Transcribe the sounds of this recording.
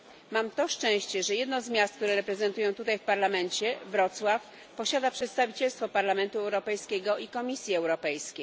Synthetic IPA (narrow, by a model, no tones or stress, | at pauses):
mamt̪ɔʂt͡ʂɛ̃w̃ɕt͡ɕɛʐɛjɛd̪nɔzmʲjast̪k̚t̪uɾɛɾɛpɾɛzɛnt̪ujɛ̃w̃t̪ut̪ajfpaɾlamɛnt͡ɕɛvɾɔt̪swaf | pɔɕad̪apʂɛt̪st̪avʲit͡ɕɛlst̪fɔpaɾlamɛnt̪uɛwɾɔpɛjskʲɛɡɔʔikɔmʲisʲjiɛwɾɔpɛjskʲej